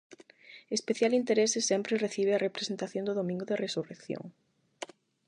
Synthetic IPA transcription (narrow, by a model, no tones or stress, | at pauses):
espeθjalint̪eɾesɪsɛmpɾereθiβ̞eɐrepɾesent̪aθjõnd̪ʊðomĩŋɡʊðeresurekθjo̰ŋ